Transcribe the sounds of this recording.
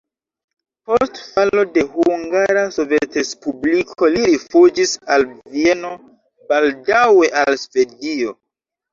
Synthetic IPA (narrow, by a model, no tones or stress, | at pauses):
po̞stfalo̞de̞huŋɡaɾasovetespublikʰo̞liɾifud͡ʒisalvie̞no̞ | b̥aldawe̞ʔalsve̞dio̞